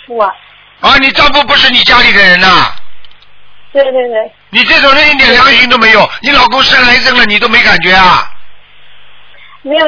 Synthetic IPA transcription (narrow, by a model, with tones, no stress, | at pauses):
u˥a˧˩ | ɐ˥˩ni˨˩ʈ͡ʂɑ˥˧ŋfu˥˩p̬u˧˥ʂɻ̩˥˩ni˨˩t͡ɕja˥li˨˩d̪ə˦ɻə˧˥nɐ˧ | t̪we˥˧ɪt̪we˥˧ɪt̪we˥˩ni˨˩ʈ͡ʂe˥˩ʈ͡ʂo˨˩nə˥˩i˥˩t̪jɛ˨˩nɑ˥ŋɕi˥ŋt̪o˥ʊme˧˥ɪjo˨˩˦ʊni˧˥lɑ˨˩ʊkʊ˥ŋʂə˥nla˧˥ɪt͡sə˥˩ŋlə˨ni˨˩t̪o˥ʊme˧˥ɪka˨˩nt͡ɕɥɛ˧˥ɐ˥˧ | me˧˥˨